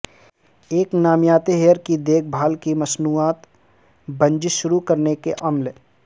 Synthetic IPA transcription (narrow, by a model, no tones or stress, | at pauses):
eːknaːmjaːt̪eɦeːəɾkid̪eːk̚ʰbʱaːlkimɐsnuːaːt̪ | bɐ̃nd͡ʒɪʃʊɾukɐɾnekeʔɐml